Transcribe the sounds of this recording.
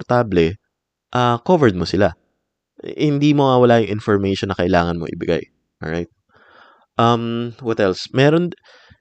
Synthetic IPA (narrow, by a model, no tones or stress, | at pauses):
ɾt̪aːblɛ | ʔaːkovɛɹd̪̚mosɪla̰ | hɪnd̪iːmoŋawɐlaːjʊŋʔɪnfɔɹmɛjʃonːɐkɐʔɪlaːŋɐnmo̰ʔɪ̰bɪɡa̰j | ʔɔɹajt̪̚ | ʔɐmwɔt̪ɛlsmɛːɾon